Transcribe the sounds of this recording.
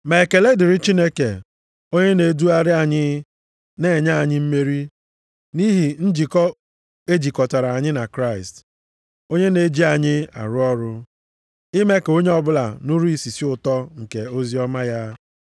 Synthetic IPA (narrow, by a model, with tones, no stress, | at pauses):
me˨ke˨le˦dɪ˨ɾɪ˦t͡ʃi˦ne˦kḛ˨ | o˦ɲe˦ne˨˦du˦a˦ɾɪ˦a˨ɲɪ˦ | ne˨ɲa˦a˨ɲɪ˦m̩˦me˦ɾi˦ | ni˦ɦi˨n̩˦d͡ʒi˨kɔ˦ | e˦d͡ʒi˨kɔ˨ta˨ɾa˨a˨ɲɪ˦na˨kɾa˦˨ɪ˨st | o˦ɲe˦ne˨˦d͡ʒi˦a˨ɲɪ˦a̰˨ɾʊ˦ɔ˦ɾʊ˦ | ɪ˦me˦ke˨o˦ɲe˦ɔ˦bʊ˦la̰˨nʊ˦ɾu˦i˨si˨si˦ʊ˨tɔ˦ŋ̩˨ke˨o˦zi˦ɔ˦ma˦ja˦